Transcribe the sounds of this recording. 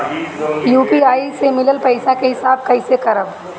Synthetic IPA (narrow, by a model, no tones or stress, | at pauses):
juːpiaːisemɪləlpɐɪsãkeɦɪsaːb̚kɐɪsekɐɾəb